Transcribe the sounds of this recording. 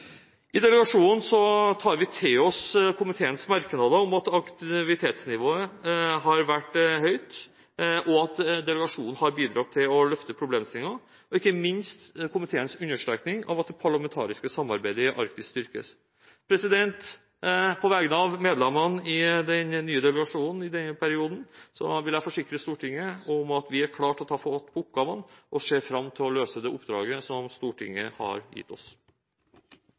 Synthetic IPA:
ɪd̪ɛləɡɑʂuːnn̩sɔt̪ʰɑːɾʋɪt̪ʰɪːɔskʰʊmɪt̪ʰeːənsmɑɾknɑd̪əɔmɑt̪ɑkt̪ɪʋɪt̪ʰeːt̪snɪʋoːəɦɑɾʋæʈːhœʏt̪ | ʔɔɑt̪d̪ɛləɡɑʂuːnn̩hɑɾbiːd̪ɾɑt̪ʰːɪlɔlœft̪əpʰɾʊbleːmst̪ɪŋːɑ | ɔɪkːəmɪnst̪kʰʊmɪt̪ʰeːənsʉnːəʂɾɛ̰ːknɪŋɑ̰ʋɑt̪̚ɛpʰɑɭɑmɛnt̪ʰɑ̰ːɾɪskəsɑmːɑ̰ɾbæɪd̪əɪʔɑ̰ɾk̚t̪ɪst̪ʏɾkə̰ | pʰɾɛsɪd̪ɛnt̪ | pʰɔʋɛːɡənɑʋmeːd̪lɛmɑnɪd̪ɛnnːyːəd̪ɛləɡɑʂuːnn̩ɪd̪ɛnːəpʰæɾɪuːd̪n̩sɔ̰ʋɪlæfɔʂɪkːɾəst̪uːʈʰɪŋːəʊmɑt̪ʋɪæɾkʰlɑːʈɔt̪ʰɑːfɔɔt̪ːpʰɔʊpɡɑːʋənʔɔseːfɾɑmt̪ʰɪlɔløːsəd̪ɛːʔʊpd̪ɾɑ̰ːɡəsɔmst̪uːʈʰɪ̰ŋːə̰hɑ̰ɾjɪ̰t̪ːɔ̰s

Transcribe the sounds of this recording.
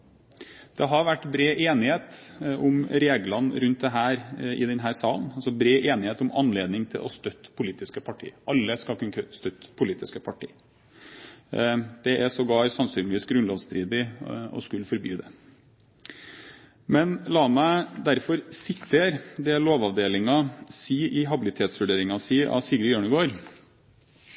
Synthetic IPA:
d̪̥ɛɦɑɾʋæʈːbɾeːʔeːnɪheːt̪ʊmɾeːɡlɑnɾʉnt̪̚d̪ɛɦæːɾɪ̰d̪ɛnɦæːɾsɑːlnɑlsɔbɾeːʔeːnɪheːt̪ʊmɑnːleːd̪nɪŋt̪ʰɪ̰lʔɔ̰st̪œt̪ːpʰʊliːt̪ɪskəpʰɑʈʰḭːəʔɑlːəskɑlkʰʉnʰst̪œt̪ːpʰʊliːt̪ɪskəpʰɑʈʰḭː | d̪̥ɛʔɛsɔɡɑːɾsɑnsyːnlɪʋiːsɡɾʉnlɔːʋst̪ʰɾiːd̪ɪɔ̰skʉlːfɔɾby̰ːd̪ɛ̰ | mɛnlɑːmæɪd̪æɾfɔɾsɪt̪ʰːeːɾd̪ɛloːʋɑʋd̪eːlɪŋɑsiːʔɪɦɑbɪlɪt̪ʰeːt̪sʋʉɖeːɾɪŋɑsiːʔɑ̰siɡɾəjøːɳəɡoːɾ

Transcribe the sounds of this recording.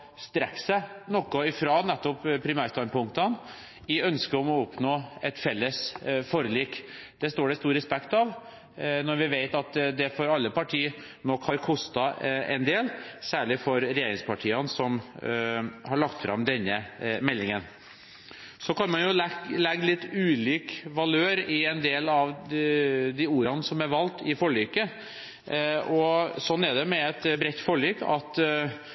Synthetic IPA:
st̪ɾɛksænɔkːɔɪfɾɑːnɛt̪ːɔppʰːɾɪmæːɾst̪ɑnpʊŋkt̪ən | ɪœnskəɔmɔʊpnoːɛt̪fɛlːəsfɔɾəliːk | d̪̥ɛst̪oːɖɛst̪uːɾɛspɛkt̪ɑʋ | nɔɾʋɪʋeɪt̪ɑt̪d̪ɛfɔɾɑlːəpɑʈʰiːə | nɔkhɑɾkʰʊst̪ɑɛ̰nd̪eːlsæːɭɪfɔɾɾɛjeːɾɪŋspʰɑʈʰiːənsɔm | hɑɭɑkt̪fɾɑ̰md̪ɛnːəmɛlːɪŋən | sɔkɑnmɑnjʊlɛɡːlɪt̪ːʉːliːkʋɑløːɾɪɛnd̪eːlɑʋ | d̪ɪuːɾɑnəsɔmæɾʋɑlt̪ɪfɔɭyːkə | ɔsɔnːæɖ̪ɛmɛɛt̪bɾɛt̪ːfɔɭyːkɑt̪

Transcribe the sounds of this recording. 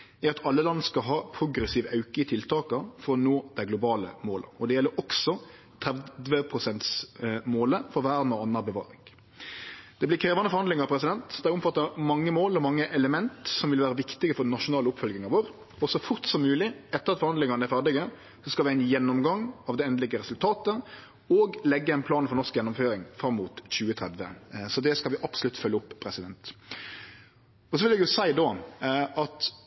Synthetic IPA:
æɾɑt̪ʰɑlːəlɑnːskɑɦɑːpʰɾʊɡɾɛsiːʋɑʉkəɪt̪ʰɪlt̪ʰɑːkəfɔɾɔnoːd̪̥æɪɡlʊbɑːlə̰moːlə̰ɔd̪ɛjɛlːəɾʔɔksɔ | t̪ʰɾæd̪ʋəpʰʁʊsɛnt̪smoːləfɔɾʋæːɾnoɑnːɑbəʋɑ̰ːɾɪŋ | d̪̥ɛblɪkʰɾeːʋɑnəfɔɾhɑnd̪lɪŋɑpʰɾɛs̬ɪd̪ɛnt̪d̪ɛæɾʊmfɑt̪ːɑmɑŋːəmoːlɔmɑŋːəʔɛləmɛnt̪sɔmʋɪlʋæːɾəʋɪkt̪ɪɡəfɔɾdɛnɑʂʊnɑːlʊpfœlɡɪŋɑʋoːɾ | ɔsɔfʊɾt̪sɔmːʉːlɪɛt̪ːəɾɑt̪fɔɾhɑnd̪ɪŋɑnəæɾfæʁɖɪɡə | sɔskɑlʋɪæɪnjɛnːɔmɡɑŋɑʋd̪ɛɛnd̪əlɪɡəɾɛsʉlt̪ʰɑːt̪ə | ɔɡlɛɡːəæɪnpʰlɑːnfɔɾnɔʁskjɛnːʊmføːɾɪŋfɾɑmːuːt̪çʉːət̪ʰɾɛd̪ʋə̰sɔd̪ɛskɑlʋɪʔɑpsɔlʉt̪ːfœlːəʊpʰːɾɛsɪd̪ɛnt̪ | ɔsɔʋɪlɛɡjʊsæɪd̪oːʔɑt̪

